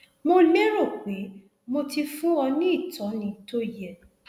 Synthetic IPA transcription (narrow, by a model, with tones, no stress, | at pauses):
mo˧le˦ɾo˦˨k͡pe˨˦ | mo˧ti˧fũ˦wɔ˧nĩ˦i˦˨tɔ˨˦nĩ˨˦to˦jɛ˦˨